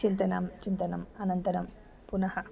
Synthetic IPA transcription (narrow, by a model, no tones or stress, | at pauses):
t͡ʃint̪ɐnaːmt͡ʃint̪ɐnɐ̰mɐnɐnt̪ɐɾɐm | punɐhɐ